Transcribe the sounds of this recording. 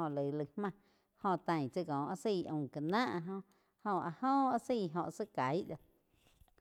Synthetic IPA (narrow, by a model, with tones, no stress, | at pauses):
õ˧lə˨lə˧hmã˧˨ | hõ˧t̪ã˧j̃t͡sə˧kõ˨ʔa˧si˧˨ʔõ̰˧˨ka˨nãː˦ʔɦõ˧ | hõ˧a˧hõ˦a˦si˧˨ɦõ̰˧ʔsə˦ka˨˦jʔla˧